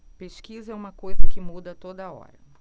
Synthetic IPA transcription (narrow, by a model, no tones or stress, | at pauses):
peʃkizɐɛũmɐkojzɐkɪmud̪ɐt̪od̪ɐɔ̰ɾɐ